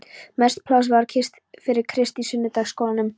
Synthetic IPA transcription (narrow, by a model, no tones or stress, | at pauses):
mɛst̪pʰlas̬vaɾcʰɪst̪ | fɪɾɪɾ̥kʰɾɪst̪isʏnːʏt̪aɣskowlanʏm